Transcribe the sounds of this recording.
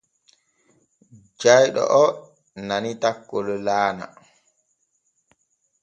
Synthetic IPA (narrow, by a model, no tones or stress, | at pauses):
d͡ʒajɗɔ̰ʔɔ | nanitakːɔlɔlaːna̰